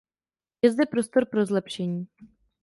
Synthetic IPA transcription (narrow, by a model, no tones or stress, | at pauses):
jɛzd̪ɛpɾo̞st̪o̞ɾpɾo̞zlɛpʃɛɲiː